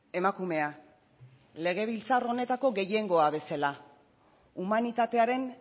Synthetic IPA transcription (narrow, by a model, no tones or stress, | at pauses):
e̞makume̞a | le̞ɣ̞e̞β̞ilt͡saro̞ne̞t̪ako̞ɣe̞je̞ŋɡo̞aβe̞sala | umanit̪at̪e̞aɾe̞n